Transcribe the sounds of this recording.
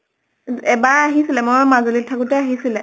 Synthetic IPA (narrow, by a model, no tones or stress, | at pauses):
ɛbaɹaɦisilɛmojmazolitʰːakʊtɛaɦisilɛ